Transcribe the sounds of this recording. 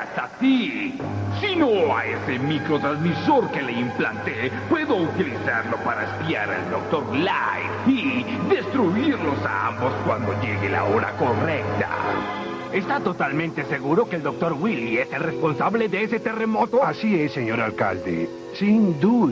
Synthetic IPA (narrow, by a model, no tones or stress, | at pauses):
ast̪at̪i | sinoa̰esemikɾot̪ɾazmisoɾkeleimplant̪epwe̞ðo̞ut̪ilisaɾlo̞paɾaespia̰ɾa̰ld̪ok̚t̪o̞ɾlaj | i | ðest̪ɾuiɾlo̞sa̰a̰mbo̞skwand̪o̞ʎeɣela̰oɾa̰ko̞rek̚t̪a̰ | est̪at̪ot̪almẽnt̪eseɣuɾokeːld̪o̞k̚t̪o̞ɾwilieserespo̞nsaβleðeeset̪eremot̪oasieseɲo̞ɾalka̰ld̪ḛ | sind̪u